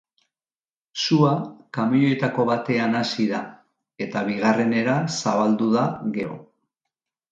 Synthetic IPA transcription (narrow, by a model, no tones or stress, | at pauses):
suakamioe̞t̪ako̞βat̪e̞anasiða | e̞t̪aβiɣare̞ne̞ɾasaβald̪uðaɣe̞ɾo̞̰